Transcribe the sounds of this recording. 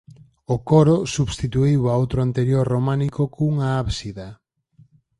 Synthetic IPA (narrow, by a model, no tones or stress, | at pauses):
okoɾosuβst̪it̪uiwaowt̪ɾoant̪eɾjoɾromanikokuŋaaβsiða